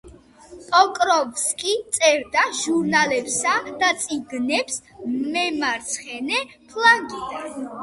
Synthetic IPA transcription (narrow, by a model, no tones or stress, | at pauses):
pʼɔkʼɾɔvskʼit̪sʼɛɾd̪aʒuɾnalɛpsad̪̥at̪sʼiɡnɛps | mɛmaɾt̪sʰχɛnɛ | pʰlaŋɡid̪an